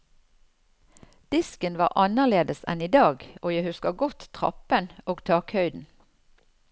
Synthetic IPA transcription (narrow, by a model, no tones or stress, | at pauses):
d̪̥ɪskənʋɑ̰ːʁʔɑnəʁleːd̪əsɛ̰niːd̪ɑːɡoːjæɪhʉskəɡɔt̪tʁɑ̰pənoːɡt̪ʰɑːkhœʏd̪n̩